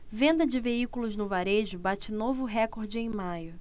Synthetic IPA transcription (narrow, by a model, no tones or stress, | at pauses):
vẽnd̪ɐd͡ʒɪveikulʊznʊvaɾeʒʊbat͡ʃɪnovʊɦɛkoɾd͡ʒɪẽj̃majʊ